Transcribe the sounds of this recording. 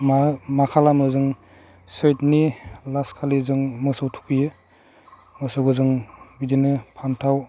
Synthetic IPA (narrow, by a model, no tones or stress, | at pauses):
mamakʰalamɯzɯŋ | set̚nilaskʰalizɯŋmɔsawtʰu̥kʰijɯ | mɔsowɡɯzɯŋbidinɯpʰantʰaw